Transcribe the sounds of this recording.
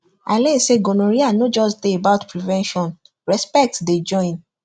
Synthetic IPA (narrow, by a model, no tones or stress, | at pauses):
aleseɡonoɾianod͡ʒɔsdeebaʊtpɹivɛ̃nʃɔ̃n | ɹɛspɛk̚tded͡ʒɔ̃ɪ̃n